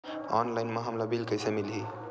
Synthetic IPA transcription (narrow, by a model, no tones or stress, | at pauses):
ɔ̰nlaɪnmeɦəmlabilkəjsemilɦi